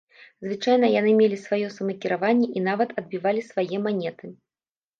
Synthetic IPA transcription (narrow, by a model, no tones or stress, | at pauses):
zvɨt͡ʂajnɐjanɨmʲelʲisvajɔsɐmɐkʲiɾavanʲːɛʔin̪avɐt̪ɐd̪̚bʲivalʲisvajɛmanʲɛt̪ɨ